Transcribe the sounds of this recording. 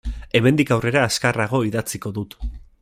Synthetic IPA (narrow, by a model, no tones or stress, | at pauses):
e̞me̞nd̪ikawre̞ɾaːskaraɣ̞o̞iðat͡siko̞ðut̪